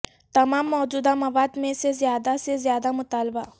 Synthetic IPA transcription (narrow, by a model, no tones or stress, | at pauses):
t̪ɐmaːmːɔːd͡ʒuːd̪amɐʋaːd̪mẽsezjaːd̪asezjaːd̪amʊt̪aːlba